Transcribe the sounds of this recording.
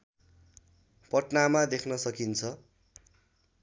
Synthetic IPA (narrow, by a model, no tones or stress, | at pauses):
pʌʈnamad̪ekʰnʌsʌkint͡sʰʌ